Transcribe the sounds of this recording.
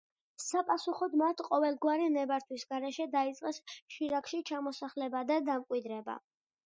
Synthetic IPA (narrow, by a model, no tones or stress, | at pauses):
sapʼasuχɔd̪mat̪ʰqʼɔvɛlˠɡwaɾinɛbaɾt̪ʰwisɡaɾɛʃɛd̪ait̪sʼqʼɛsʃiɾakʰʃit͡ʃʰamɔsaχlɛbad̪ad̪amkʼwid̪ɾɛba̰